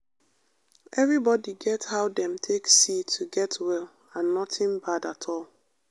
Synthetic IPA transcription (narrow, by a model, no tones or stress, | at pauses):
ʔɛvɹibɔdiɡɛthaʊdɛ̃mtʰeksitʰːuɡɛtwɛl | ãnːɔtʰɪ̃nbadatʰɔlˠ